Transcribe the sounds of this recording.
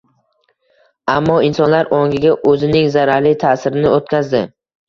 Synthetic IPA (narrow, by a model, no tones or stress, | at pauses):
amːɒɪnsɒnlaɾoŋʲɪɡʲaʔɵzɪnɪŋzaɾaɾlɪt̪ʰasɪɾɪnɪot̪kʲʰazd̪ɪ